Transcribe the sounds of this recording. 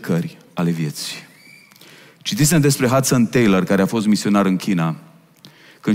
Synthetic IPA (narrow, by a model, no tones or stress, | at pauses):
kʰərʲ | ale̞vje̞t̪si̥ | t͡ʃit̪is̬emd̪e̞spɾe̞ɦat̪sənt̪ejlərkaɾe̞afo̞st̪misio̞naɾɨnkʲʰina | kɨn